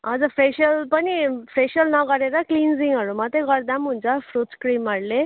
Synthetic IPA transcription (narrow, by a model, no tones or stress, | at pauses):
ɦʌd͡zupʰresjʌlpʌnipʰɾesjʌlnʌɡʌɾeɾʌklind͡ziŋʌɾumʌt̪ʌɡʌrd̪amɦunt͡sʰʌpʰrut̪skrimʌɾle